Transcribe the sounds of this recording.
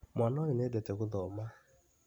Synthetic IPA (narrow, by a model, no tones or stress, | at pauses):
mʷanɔɲinedeteɣʊðɔma